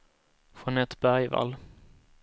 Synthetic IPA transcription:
fɾɔnɛt̪bæɾjva̰lː

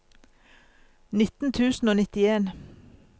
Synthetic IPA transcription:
nɪt̪n̩t̪ʰʉːsn̩oːnɪt̪ɪeːn

